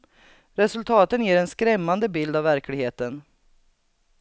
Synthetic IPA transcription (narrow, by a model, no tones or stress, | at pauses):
ɾɛsɵlt̪ʰɑːt̪ənjeːɾɛnskɾɛmːand̪əbɪld̪avːæɾklɪɡheːt̪ən